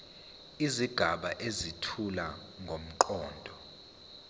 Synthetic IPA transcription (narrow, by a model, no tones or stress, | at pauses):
iziɡ̥ʱaɓaʔezitʰulaŋʱom̩ǃɔːndʱɔ